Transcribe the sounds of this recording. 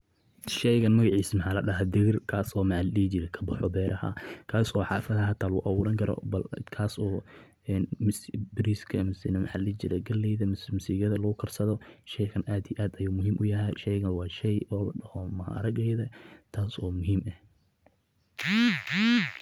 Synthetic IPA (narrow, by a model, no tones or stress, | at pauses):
ʃɛjɣɐnmɐɣɑʕiːsmɐħaːlɐɖɐɦɐd̪ɪɣɪrkʰaːsɔːmallit͡ʃɪɾɛkʰɐ̥bɐħɔbɛːɾʔɐhɐ̰kʰaːsɔːħɑːfɐðɐɦɐt̪ʰaːlʊʔɐwʊːɾɐŋkʰɐɾɔ̰bɐlkʰaːsɔː | ɛːnmʊsbɪɾiːskʰɐmʊsinɐmɐħalit͡ʃɪɾɛɡɐlːɛjðɐmsmʊsiːɣjɐðɐlɐɣʊkʰɐrsɐðɔʃɛjɣɐnaːd̪ijʔaːd̪ɐjuːmʊɦiːmʔʊjɐɦɛjʃɛjɣɐwɑːʃɛjɔːlɐɐhɔmɐhɾɐɡɛjðɐt̪ʰaːsɔːmʊɦiːmɐh